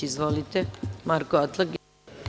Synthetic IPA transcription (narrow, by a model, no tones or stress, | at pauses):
izʋolit̪emaɾkoat̪lˠaɡ